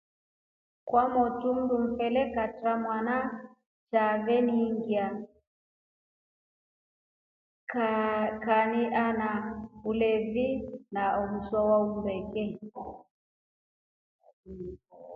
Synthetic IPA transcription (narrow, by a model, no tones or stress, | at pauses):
kwamɔtum̩dum̩fɛlɛkatɾamwana | t͡ʃavɛniŋɡia | kkaniʔanaulɛvinaɔmuswɔwaumbɛkɛ